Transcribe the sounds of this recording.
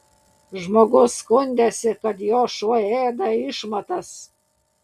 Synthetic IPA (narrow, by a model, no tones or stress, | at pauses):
ʒmoːɡʊskʊnʲd̪ʲæsʲɪkɐt̪joːʃuɔeːd̪ɐɪʃmɐt̪ɐs